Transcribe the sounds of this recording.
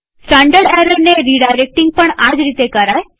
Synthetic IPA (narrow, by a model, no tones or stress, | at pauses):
sʈãːɳɖəɾɖɛɾəɽneɾiɖaɪɾek̚ʈɪ̃ŋɡ̚pəɳ̃aːd͡ʒɾit̪ekəɾaːe